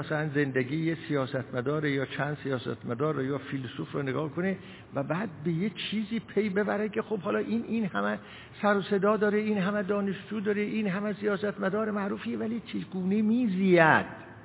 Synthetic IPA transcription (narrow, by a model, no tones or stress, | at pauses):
æsælænzend̪eɡiːjesijɒːsæt̪ʰmæd̪ɒːɾejɒːt͡ʃʰæːnd̪sijɒːsæ̰t̪mæd̪ɒːɾːɒːjɒːfilsuːfɾɒ̰ːneɡɒːhkʰone | væbæːd̪̚be̞jet͡ʃʰiːziːpʰejbe̞bæɾæd̪̚kʲʰexobhɒːlɒːʔiːnʔiːnhæmæ | sæɾose̞d̪ɒːd̪ɒːɾeiːnɦæmæd̪ɒːneʃd͡ʒuːd̪ɒːɾeʔiːnɦæmæsijɒːsæt̪mæd̪ɒːɾemæʔɾuːfiːevæliːt͡ʃʰeɡ̥uːnemiːziːæd̪̥